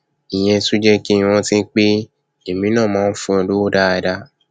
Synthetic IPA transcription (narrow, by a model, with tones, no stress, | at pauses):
ĩ˨j̃ɛ̃˧su˦d͡ʒɛ˦ki˦i˧w̃ɔ̃˧tĩ˦k͡pe˦ | e˨mĩ˨˦nãː˦˨mãː˨˦n̩˦fũ˦˧ẽ˧du˦o˦da˧a˧˨da˧